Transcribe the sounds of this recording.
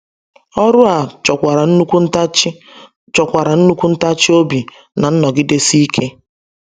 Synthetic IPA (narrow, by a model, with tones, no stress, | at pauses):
ɔ˦ɾʊ˦a˨t͡ʃɔ˨kʷa˨ɾa˨n̩˦u˦kʷu˦ | t͡ʃɔ˨kʷa˨ɾa˨n̩˦nu˦kʷu˦n̩˦ta˦t͡ʃi˦o˦bi˨ | na˨n̩˦nɔ˨ɡɪ˦de˦si˦i˦kʰe˦